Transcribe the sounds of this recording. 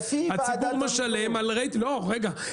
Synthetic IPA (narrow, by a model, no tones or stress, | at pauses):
hat͡sibuʁmeʃalemalʁejtloʁeɡa